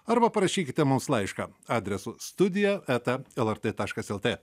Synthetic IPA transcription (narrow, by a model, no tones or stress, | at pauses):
ɐɾbɐpɐɾɐʃʲiːkʲɪt̪ʲɛmʊmslˠɐɪʃkɐːɑːd̪ʲɾʲɛsuːst̪ʊd̪ʲɪjɛæːt̪ɐɛlˠɛɾt̪et̪ɑːʃkɐsɛlˠt̪ʲeː